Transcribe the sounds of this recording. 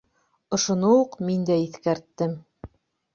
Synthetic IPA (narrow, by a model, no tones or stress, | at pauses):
ŏʃŏnouqmind̪æiθkæɾt̪ːɘm